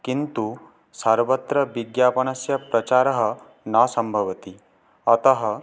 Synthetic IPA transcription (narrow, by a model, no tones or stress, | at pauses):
kint̪u | saːɾʋɐt̪ɾɐʋiɡjaːpɐnɐsjɐpɾɐt͡ʃaːɾɐɦɐ̆ | naːsɐmbʱɐʋɐt̪i | ɐt̪ɐɦɐ